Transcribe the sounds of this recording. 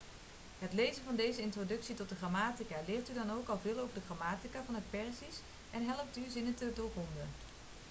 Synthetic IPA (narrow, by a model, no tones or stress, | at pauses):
ɦətlejzənvɑndejzəɪntrodɵksitɔt̚dəχraːmaːtikalɪːɹtydɑnowkɑlˠvɪːlˠowvədəχraːmaːtikaːvɑnət̚pɛɹsis | ʔɛnɦɛləp̚tyzɪnəntədʊːɹkɔndən